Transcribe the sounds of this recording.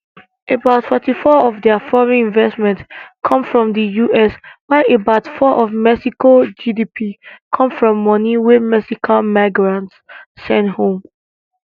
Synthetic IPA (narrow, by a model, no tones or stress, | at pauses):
ʔebaʊtfɛtifɔɔvdɛfɔɹɛ̃nĩnvɛstmɛ̃ntskʰɔ̃mfɹɔ̃mðəjuʔɛswaɪʔebaʊtfɔʔɔvmɛsikod͡ʒidipʰikʰɔ̃mfɹɔ̃mːɔniwɪmɛsikʰalmaɪɡɹãntsːɛ̃nthõm